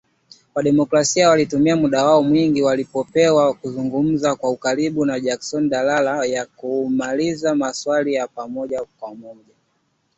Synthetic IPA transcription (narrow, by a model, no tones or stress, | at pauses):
waɗɛmɔkɾasiawalitumiamuɗawaɔmwiŋɡiwalipɔpɛwakuzuŋɡum̩zakwaukaɾiɓunaʄaksɔnɗalalajakumalizamaswalijapamɔʄakwaumɔʄa